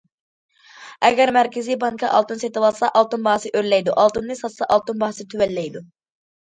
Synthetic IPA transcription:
ɛɡʲɛɾmæɾkʲʰɪzibɑŋkʰɑʔɑ̰lˠt̪ɨnset̪ɨwɑlˠsɑʔɑlˠt̪unbɑhsɨʔøɾlɛjd̪uʔɑlˠt̪unnɨsɑt̪sɑʔɑlˠt̪unbɑhsɨt̪ʰywɛlːɛjd̪u

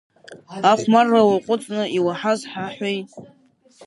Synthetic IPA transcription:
aχʷmarːawaqʷʼʊt͡sʼnɨiwaħazħaħʷᶣej

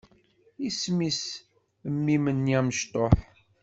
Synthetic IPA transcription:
ismis | əmːimənːjæməʃt̪ˤoħ

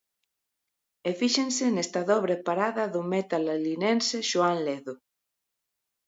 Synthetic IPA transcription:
efiʃensenest̪aðɔβɾepaɾaðɐðʊmet̪alalinenseʃoanleðʊ

